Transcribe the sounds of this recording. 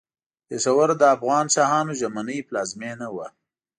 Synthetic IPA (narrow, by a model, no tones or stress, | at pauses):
pesawaɾd̪əafɣɑnsɑhɑnoʒamanəjplɑzmenawa